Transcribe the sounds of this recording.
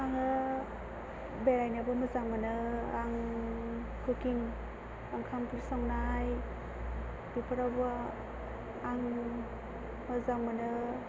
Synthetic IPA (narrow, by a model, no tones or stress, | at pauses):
aŋɯ | belajnabɯmɯzaŋmanɯaŋ | kʰɯkiŋ | aŋkʰampʰɯɾsaŋnaj | dupʰaɾawb | aŋ | mɯzaŋmanɯ